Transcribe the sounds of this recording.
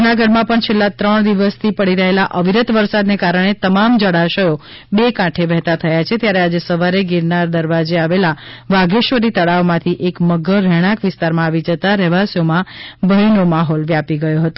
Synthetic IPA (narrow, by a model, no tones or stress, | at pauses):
unaɡəɖmãpəɳt͡ʃʰelːat̪ɾəɳ̃d̪iʋəst̪ʰipəɽiɾəɦelaʔəʋiɾət̪ʋəɾsad̪nekaɾəɽ̃et̪əmamd͡ʒəɽaʃəjo | bekãʈʰeʋɛɦt̪at̪ʰəjat͡ʃʰet̪jaɾead͡ʒesəʋaɾeɡiɾnaɾd̪əɾʋad͡ʒeaʋelaʋaɡeʃʋəɾit̪əɽaʋmãt̪ʰiʔekməɡəɾːɛɽ̃ãkʋɪst̪aɾmãːʋid͡ʒət̪aɾɛʋasjomãbʱəinomaɦɔlʋjapiɡəjoɦət̪o